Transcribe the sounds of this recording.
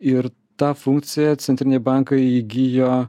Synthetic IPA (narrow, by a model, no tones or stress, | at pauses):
ɪɾ | t̪ɑfuŋk̪̚sʲɪjɛt͡ssʲɛnt̪ʲɾʲɪnʲeɛbɑŋkɐɪiɡʲijo